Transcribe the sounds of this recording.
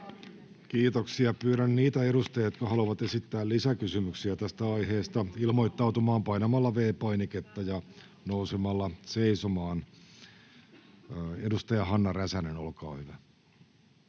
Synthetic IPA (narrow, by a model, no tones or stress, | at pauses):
kiːt̪oksiɑpyːɾænniːt̪æeɾust̪ɑjɑjot̪kɑhɑloʋɑt̪esit̪ːæːllisækysymyksiæt̪æst̪æɑjheːst̪ɑilmo̞jt̪ːɑwt̪umɑːmpɑinɑmɑlːɑʋeːpɑiniket̪ːɑjɑ | nousemɑlːɑseisomɑːn | edust̪ɑjɑɦɑnːɑræsænenolkɑ̰ːhyʋæ